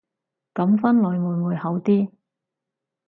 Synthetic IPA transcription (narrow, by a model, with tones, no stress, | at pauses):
kɐ˨˥mfɐ˥nlɵ˨˧jmuː˨˧jmuː˨˧jhɐ˨˥wt̪iː˥